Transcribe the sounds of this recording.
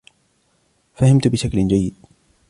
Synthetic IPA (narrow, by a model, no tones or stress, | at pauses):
fahɪmt̪bɪʃakld͡ʒajːɪd̪